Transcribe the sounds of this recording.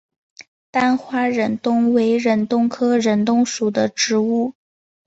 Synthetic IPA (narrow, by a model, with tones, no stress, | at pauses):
t̪a˥nxwa˥ɻə˨˩nt̪ʊ˥ŋwe˧˥ɪɻə˧˥nt̪ʊ˥ŋkʰɤ˥ɻə˨˩nt̪ʊ˥ŋʂu˨˩d̪ə˦ʈ͡ʂɻ̩˧˥u˥˩